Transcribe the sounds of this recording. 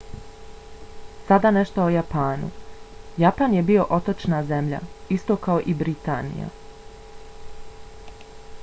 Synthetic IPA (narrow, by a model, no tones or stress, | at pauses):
sad̪ane̞ʃt̪oojapaːnṵjapanjebio̞ʔo̞t̪ot͡ʃnaze̞mʎa̰ist̪o̞kao̞ʔibɾit̪a̰ːnḭja̰